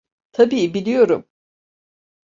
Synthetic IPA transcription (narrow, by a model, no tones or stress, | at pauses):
t̪ʰabiːbilʲijo̞ɾṵm